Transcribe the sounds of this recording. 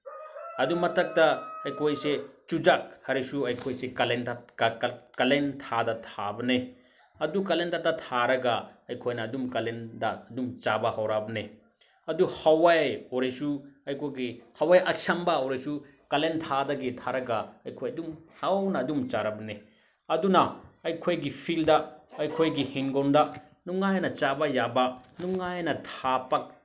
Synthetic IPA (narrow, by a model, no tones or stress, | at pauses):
ɐdumɐtʰɐk̚tɐɐjkʰojset͡ʃud͡ʒak̚hɐɾisuɐjkʰojsekɐlenta | kɐlentʰadɐtʰabɐne | ɐdukɐlentatatʰaɾɐɡaɐjkʰojnɐːdumkɐlendaɐdumt͡ʃabɐhawɾabɐne | ɐduhawajoɾesuɐjkʰojɡihɐwajɐk̚sɐmbɐoɾesu | kɐlentʰadɐɡitʰaɾɐɡaɐjkʰojɐdumhawnɐːdumt͡ʃaɾabɐne | ɐdunɐːjkʰojɡipʰildɐːjkʰojɡihinɡonda | nuŋːajnɐt͡ʃabɐjabɐnuŋːajnɐtʰapak̚